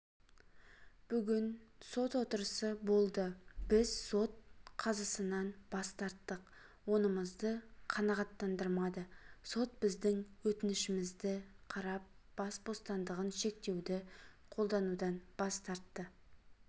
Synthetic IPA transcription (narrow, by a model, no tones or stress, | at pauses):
b̥ʏɡʲɪnso̞t̪wo̞t̪əɾəsəbo̞lˠd̪əb̥ɪzso̞t̪̚qʰɑzɑsənɑnb̥ɑst̪ɑɾt̪ːəq | wo̞nəməzd̪əqʰɑnɑʁɑt̪ːɑnd̪əɾmɑd̪əso̞t̪̚bɪzd̪ɪŋwɵt̪ɪnɪʃɪmɪzd̪ɪqʰɑɾɑp̚ | b̥ɑsbo̞st̪ɑnd̪əʁənʃe̞k̚t̪e̞wd̪ɪqʰo̞lˠd̪ɑnud̪ɑnb̥ɑst̪ɑɾt̪ːə